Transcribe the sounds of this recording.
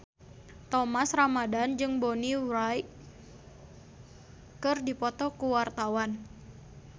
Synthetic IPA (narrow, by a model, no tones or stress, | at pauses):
t̪ɔmasramadand͡ʒɨŋbɔniɾaj | kɨrdipɔt̪ɔkuwart̪awan